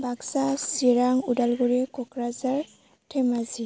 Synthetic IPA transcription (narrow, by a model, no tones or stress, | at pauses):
baksasiɾaŋudalɡuɾɛkɔkɾazaɹ | tʰɛmazi